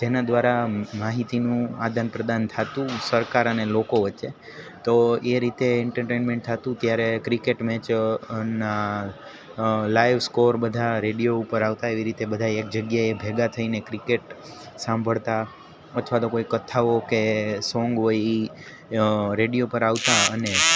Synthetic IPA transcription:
d͡ʒ̪enad̪ʋaɾamaɦit̪inũad̪ʱanpɾəd̪ant̪ʰat̪ũsəɾkaɾənelokoʋət͡ʃe | t̪oeɾit̪eːɳʈəɾʈenmẽɳʈ̚t̪ʰat̪ũt̪jaɾekɾikeʈmɛ̃t͡ʃəna | lajʋskoɾbəd̪ʱaɾeɽijoupəɾaʋt̪aeʋiɾit̪ebəd̪ʱaːk̚d͡ʒəɡjaebʱeɡat̪ʰəinekɾikeʈ | sãmbʱəɭt̪a | ət̪ʰʋat̪okoikət̪ʰaʋokesɔ̃ŋɡʋoi | ɾeɽijopəɾaʋt̪aəne

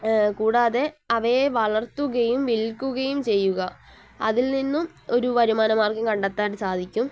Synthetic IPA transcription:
kuːɽaːðe̞ɐʋɐjeʋɐɭɐrt̪uɣɐjumʋilkʲːuɣɐjumt͡ɕe̞jːuɣɐ | ɐðilninːum | o̞ɾuʋɐɾumaːnɐmaːrkɨkɐɳɖɐt̪ːaːʈɨsaːd̪ʱikʲːum

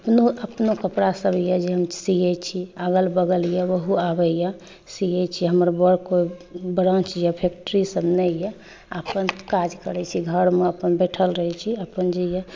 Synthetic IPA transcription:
əpnoəpnokəpɽasəbʱjɛd͡ʒeɦəmsijɛt͡ʃʰiaɡəlbəɡəljɛwəɦuabɛjɛ | sijɛt͡ʃʰiɦəməɾbəɽkobəɽənt͡ʃʰijapʰek̚ʈəɾisəbnɛjɛ | əpənkad͡ʒkəɾɛt͡ʃʰiɡʱəɾmeəpənbeʈʰəlɾəɦɛt͡ʃʰiəpənd͡ʒejɛ

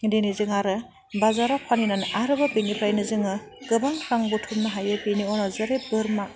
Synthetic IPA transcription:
denizɯŋaɾɯ | bazaɾapʰaninanaɾɯbapinipʰɾajnɯzɯŋɯ | kɯbaŋkʰɾaŋbutʰumnɯɦajɯpiniɔnɔzɐɾebɯɾma

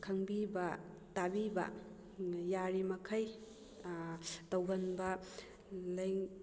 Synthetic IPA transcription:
kʰɐŋbibɐ | tabibɐ̰ | jaɾimɐkʰɐj | tɐwɡɐnbɐ | lɐjŋ

